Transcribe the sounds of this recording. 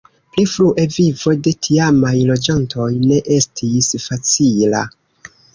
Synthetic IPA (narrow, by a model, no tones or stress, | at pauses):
plifɾuʔe̞vivo̞jde̞tʰiamajlo̞d͡ʒantʰo̞jne̞ʔe̞stʰisfat͡sila̰